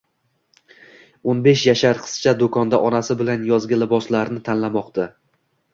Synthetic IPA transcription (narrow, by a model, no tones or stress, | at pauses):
onbe̞ʃjaʃaɾqʰɨ̥st͡ʃʰad̪okʰɒnd̪aʔɒnasɪbɪlanjɒzɡʲalɪbɒslaɾnɪt̪ʰanlamɒqt̪ʰa